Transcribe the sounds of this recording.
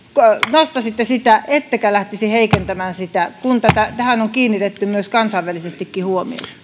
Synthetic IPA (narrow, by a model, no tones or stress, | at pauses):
konost̪ɑsit̪ːesit̪æʔet̪ːækælæht̪isiheikent̪æmæːnsit̪ækunt̪ɑt̪æt̪æhænoŋkiːnːit̪et̪ːymyøskɑnsɑˑiʋʋælisest̪ikːihuomḭo̰s